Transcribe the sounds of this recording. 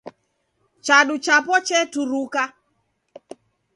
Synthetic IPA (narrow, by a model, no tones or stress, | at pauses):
t͡ʃaɗut͡ʃapɔt͡ʃɛtuɾuka